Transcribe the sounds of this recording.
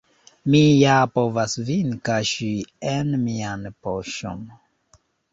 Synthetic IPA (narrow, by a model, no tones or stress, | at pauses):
mijapovasvinkaʃienmianpoʃo̰n